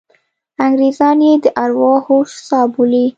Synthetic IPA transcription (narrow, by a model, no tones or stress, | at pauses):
aŋɡɾezɑnjed̪əʔaɾwɑxɣoʃsɑbuli